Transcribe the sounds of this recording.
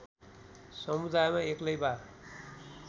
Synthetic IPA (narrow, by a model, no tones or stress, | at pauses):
sʌmud̪ajmaeklʌjba